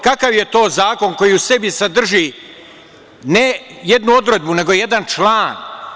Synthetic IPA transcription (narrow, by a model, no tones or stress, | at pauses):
kakaʋje̞t̪o̞ːzaːko̞nko̞jiuse̞bisad̪r̩ʒi | nejed̪nuo̞d̪ɾe̞d̪̚bune̞ɡo̞je̞d̪ant͡ʃlˠaːn